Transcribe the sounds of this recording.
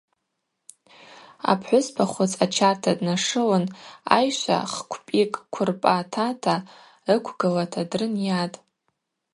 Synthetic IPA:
a̰pʰħʷʊspʰaχʷʊt͡sʼat͡ʃʰartʰadnaʂɨwana̰jʃʷa̰χkʷʰpʼikʼkʷʰʊrpʼatʰatʰa | ɨkʷʰɡɨlatʰadrɨnjatʼ

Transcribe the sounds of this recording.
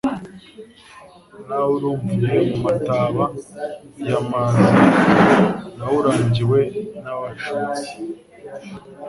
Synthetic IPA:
nawuɾuːɱvuɲiemumataːβa | jamaːna | nawuɾaːɲɟiwe̞naβaʃut͡si̥

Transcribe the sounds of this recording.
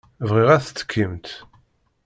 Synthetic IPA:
vʁiʁæθt͡sːə̥kʰːəmt̪

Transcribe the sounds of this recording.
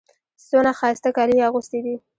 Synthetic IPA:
t͡sonaxɑst̪akɑliaɣʊst̪id̪i

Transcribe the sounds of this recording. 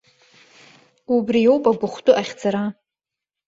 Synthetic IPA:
ubrijowpʼaɡʷʊχʷtʼʊʔaχʲd͡zaɾa

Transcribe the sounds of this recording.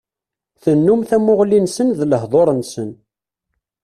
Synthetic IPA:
θənːumθæmʊʁlinsənðləɦðˤoɾˤənsən

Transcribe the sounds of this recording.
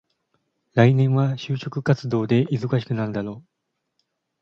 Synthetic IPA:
ɾainẽ̞ɰ̃βaɕɨːɕo̞kɯ̟kat͡sɨd̪o̞ːd̪e̞izokaɕ̬i̥kɯ̟naɾɯ̟d̪aɾo̞ː

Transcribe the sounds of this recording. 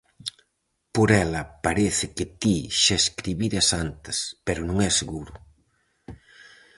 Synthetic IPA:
poɾɛlɐpaɾeθɪkɪt̪iʃaeskɾiβiɾɐsant̪ɐspɛɾʊnõŋɛseɣuɾʊ

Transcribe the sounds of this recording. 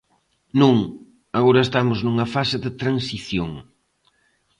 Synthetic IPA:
nũŋ | aɣoɾɐest̪amʊznuŋɐfasɪðɪt̪ɾansiθjoŋ

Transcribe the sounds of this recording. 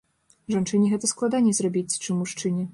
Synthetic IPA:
ʐant͡ʂɨnʲiɣɛt̪ɐsklˠad̪anʲɛzrabʲit͡sʲt͡ʂɨmːuʂt͡ʂɨnʲɛ

